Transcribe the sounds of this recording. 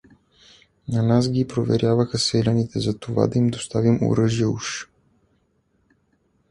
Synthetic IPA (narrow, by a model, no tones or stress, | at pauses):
nɐnasɡʲipɾovɛ̰ɾʲjavəxəsɛlʲɐnit̪ɛzɐt̪ova̰d̪ɐimd̪ost̪avimo̰ɾɤʒiəuʃ